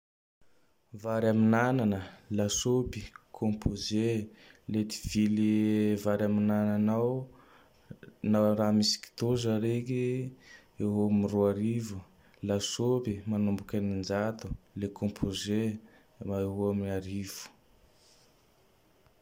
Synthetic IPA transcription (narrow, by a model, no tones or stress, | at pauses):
vaɾaminananəlasopi̥kʰõmpʰozelet̪i̥vilivaɾaminananaw | naɾamisi̥ki̥t̪ozəɾeki | eɦominiroaɾivu | lasopimanumbukʲanind͡ʒat̪u̥lekʰõmpʰoze | aeɦoaminaɾivu̥